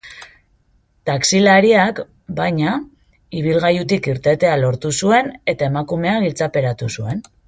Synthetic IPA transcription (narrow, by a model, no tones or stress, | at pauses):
t̪aksilaɾiak | bajɲa | iβ̞ilɣajut̪ikiɾt̪e̞t̪e̞alo̞ɾt̪usue̞ne̞t̪ae̞makume̞aɣilt͡sape̞ɾat̪usue̞n